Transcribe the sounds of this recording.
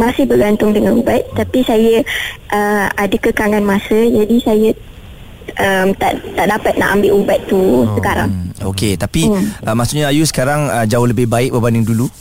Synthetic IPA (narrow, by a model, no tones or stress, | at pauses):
masɪhbəɡant̪ʊŋdəŋanubat̪̚t̪apisajəʔəadəkəkaŋanmasəd͡ʒadisajə | ʔəmt̪aʔt̪aʔdapat̪̚naʔambɪʔubat̪̚t̪usəkaɾa̰ŋoket̪apiʔəmasuʔɲaajusə̥kaɾaŋəd͡ʒaʊhləbɪhbaɪk̚bəbandɪŋdulu